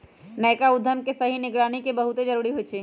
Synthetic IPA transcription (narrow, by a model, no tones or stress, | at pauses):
nəjkaud̪ʱːəmkesəɦinɪɡɾanikebəɦut̪ed͡ʒəɾuːɾiɦot͡ʃʰi